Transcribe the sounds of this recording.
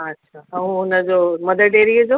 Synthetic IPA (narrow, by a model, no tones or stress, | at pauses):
ɐtːɕʰaːɦũɦʊnəd͡ʑoːmɐd̪əʈeːɾiəd͡ʑoː